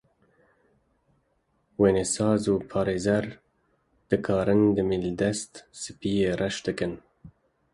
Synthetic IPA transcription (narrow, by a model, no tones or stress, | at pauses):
weːnesɑːzuːpʰɑːɾeːzɛɾ | d̪̥ɨkʰɑːɾɨnd̪ɨmild̪ɛst̪sɨpiːjeːrɛʃd̪ɨkɨn